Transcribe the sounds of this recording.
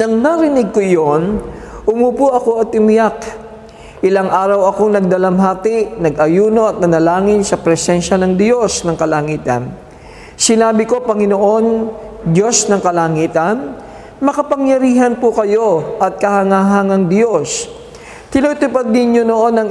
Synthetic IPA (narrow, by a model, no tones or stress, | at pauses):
nɐŋnɐɾɪnɪɡ̚kojonʔʊmupuʔɐko̞ʔɐt̪ʊmɪjak | ʔɪlaŋʔaːɾɐwɐkoŋnɐɡ̚d̪ɐlɐmɦaːt̪ɪʔnɐɡʔɐjuːno̞ʔɐt̪̚nɐnɐlaːŋɪnsɐpɾɛsɛnʃɐnɐŋd̪jo̞snɐŋkɐlɐŋiːt̪ɐ̰n | sɪnaːbɪko̞pɐŋɪnoʔo̞nd̪jo̞snɐŋkɐlaŋiːt̪ɐn | mɐkɐpɐŋjɐɾiːɦɐnpʊkɐjo̞ʔɐt̪̚kɐhɐŋaːɦɐŋɐŋd̪jo̞s | t̪ɪnuːt̪ʊpad̪̚nɪnɲono̞ʔo̞nɐŋ